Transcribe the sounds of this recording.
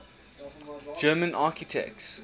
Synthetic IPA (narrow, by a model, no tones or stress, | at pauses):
d͡ʒɜːmə̃nʔaːˑkitʰɛ̰k̚ts